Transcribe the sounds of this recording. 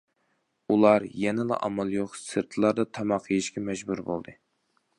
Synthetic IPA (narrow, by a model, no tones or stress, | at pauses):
ulˠɑɾjɛnɪlˠɑ̰ʔɑ̰mɑlˠjoχsɨɾt̪ʰɨlˠɑɾd̪ɑt̪ʰɑmɑqʰːəjiʃkʲʰɛmɛʒbuɾbo̰lˠd̪ɨ